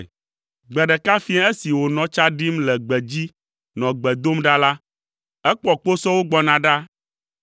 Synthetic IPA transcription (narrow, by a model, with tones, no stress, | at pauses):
ɡ͡bɛ˨ɖɛ˨ka˦fĩ˦a˦e˦si˨wo˨nɔ̃˨t͡ʃa˦ɖi˦mlɛ˨ɡ͡bɛ˨d͡ʑi˦ | nɔ̃˨ɡ͡bɛ˨d̪o˦mɖa˦la˦ | ɛ˦k͡pɔ˦k͡po˦sɔ˦wo˦ɡ͡bɔ˦nã˨ɖa˦